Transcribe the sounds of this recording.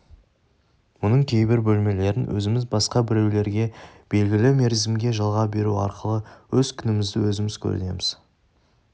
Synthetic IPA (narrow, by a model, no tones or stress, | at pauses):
mʊnəɴkʲʰe̞jbɪɾbɵlme̞le̞ɾɪnwʔɵ̰zɪmɪzbɑsqɑbɪɾe̞wle̞ɾɡʲe̞b̥e̞lɡʲɪlɪme̞ɾzɪmɡʲe̞ʒɑlˠʁɑbe̞ɾuɑ̰ɾqəlˠəwɵz̥kʲʰʏnɪmɪzd̪ɪwɵzɪmɪz̥kʲʰɵ̰ɾɪ̰ne̞̰mɪz̥